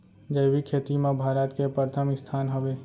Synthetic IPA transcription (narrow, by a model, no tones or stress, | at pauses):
d͡ʒəjʋikʰeːt̪imãbʱaːɾət̪kepəɾt̪ʰəmɪst̪ʰaːnɦəʋeː